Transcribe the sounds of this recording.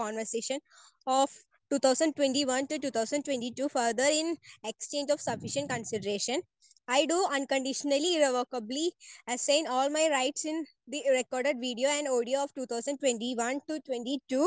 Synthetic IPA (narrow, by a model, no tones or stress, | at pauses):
kɔ̃ːnʋəɾseːʃə̃n | ɔːʋ | ʈuːt̪ʰaʊsə̃ɳɖ̚ʈwẽɳʈiʋʌ̃nʈuʈuːt̪ʰaʊsə̃ɳɖʈwẽɳʈiʈuːfəɾd̪əɾɪ̃nekst͡ʃẽːnd͡ʒɔːʋsʌfɪʃə̃ɳʈ̚kə̃nsɪɖəɾeːʃə̃n | aɪɖuːə̃nkə̃ɳɖɪʃənəliɪɾeʋoːkəbliəsẽɪ̃nɔːlmaɪɾaɪʈsɪ̃n | d̪iɾekɔːɾɖeɖʋiːɖioːɛ̃ɳɖoːɖioɔːʋʈuːt̪ʰaːʊsə̃ɳɖ̚ʈwẽɳʈiʋʌ̃nʈuʈwẽɳʈiʈuː